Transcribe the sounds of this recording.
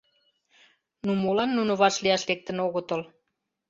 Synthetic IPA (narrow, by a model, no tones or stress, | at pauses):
numolɑnːunŏβɑʃliɑʃlek̚t̪ə̆noɣot̪əl